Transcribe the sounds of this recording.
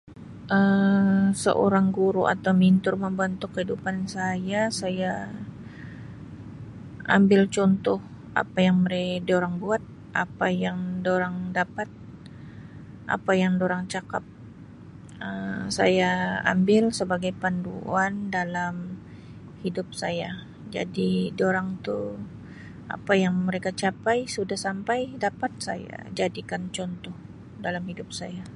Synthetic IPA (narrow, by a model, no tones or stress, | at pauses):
ʔə | sə̰ʔo̰ɾaŋɡuɾuʔa̰t̪awmint̪ʊrməmbənt̪ʊkːəidupansajasaja | ʔa̰mbɪlt͡ʃɔnt̪ɔh | a̰pajaŋməɾɛdioɾaŋbuat̪̚ | ʔa̰pajaŋdoɾaŋdapat̪̚ | ʔa̰pajaŋdoɾaŋt͡ʃakap̚ | əsa̰jaa̰mbɪlsəbaɡajpandṵandalam | hidʊp̚saja | d͡ʒa̰didoɾaŋt̪u | a̰pajaŋməɾekat͡ʃapajsudahsampajdapat̪̚sa̰ja̰d͡ʒadikant͡ʃɔnt̪ɔh | dalamhidʊp̚saja